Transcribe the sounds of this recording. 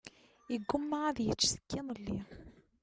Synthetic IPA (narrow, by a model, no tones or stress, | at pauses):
əɡːʊmːaʕaðjət͡sːsə̥kːinəlːi